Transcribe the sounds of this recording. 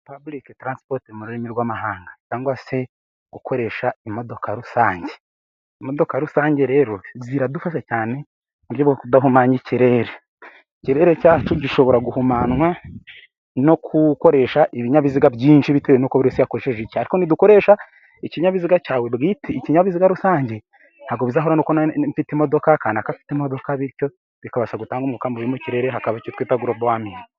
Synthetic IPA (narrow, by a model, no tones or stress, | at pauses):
pabuliketɾansi̥poɾtimuɾuɾimiɾɡwaːmaɦaːŋɡacaːŋɡwase̞ | ɡ̥ukʰo̞ɾe̞ːʃaimo̞do̞kʰaɾusaːɲɟe̞ | imo̞do̞kaɾusaːɲɟe̞ɾe̞ɾo̞ziɾadufaʃacaːne̞ | muɾjoβɡokudaɦumaɲiciɾe̞ːɾe | ciɾe̞ɾecaːt͡ʃuɟiʃo̞βo̞ɾaɡuhumaːnwa | no̞kʰuko̞ɾe̞ːʃaʔiβiɲaβiziɡabjiːnʃiβitewenokoβiɾosijakoɾeʃeʒiciaɾiko̞niduko̞ɾe̞ːʃa | iciɲaβiziɡacaːwe̞bɡitʰiːciɲaβiziɡaɾusaːɲɟe̞ | haɡoβizaɦoɾanukonɱfitimo̞do̞kakaːnakafi̥timo̞do̞kaβiɾco̞ | βikaβaʃaɡutaːŋɡumŋukaːmboɾimuciɾe̞ɾeɦakaβaicotwiːtaɡuɾobwaːmiːno